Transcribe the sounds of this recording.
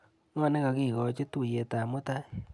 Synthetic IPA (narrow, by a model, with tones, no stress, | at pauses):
ŋa˦ne˦ka˨ɣiː˨ɣɔ˨t͡ʃe˦tu˦˨je˨ta˨mo˦ta˦